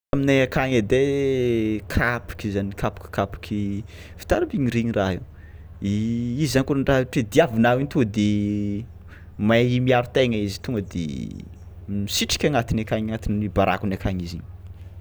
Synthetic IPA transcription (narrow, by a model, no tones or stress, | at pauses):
amineakaŋed̪e | kʰapi̥kizanikʰapi̥ki̥kapi̥kʲʰi | fi̥t̪aɾambiɲiɾiɲiraɦi | iizankunaɳɖ͡ʐaɦʈ͡ʂed̪iavinawint̪uəd̪e | maimiaɾut̪eŋaizi̥t̪uŋɡəd̪ḛ | misiʈ͡ʂi̥kʲaŋat̪inakaŋaŋat̪ininibaɾa̰kunakaɲiziɲ